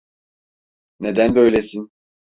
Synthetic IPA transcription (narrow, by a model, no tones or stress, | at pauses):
ned̪ænbø̞jlʲesin